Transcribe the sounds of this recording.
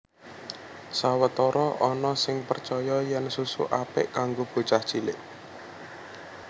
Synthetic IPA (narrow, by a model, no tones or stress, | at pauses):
sawət̪ɔɾɔʔɔnɔsɪŋpərt͡ʃɔjɔjɛnsusṵʔapɪʔkaŋɡob̥ṳt͡ʃaht͡ʃilɪ̰ʔ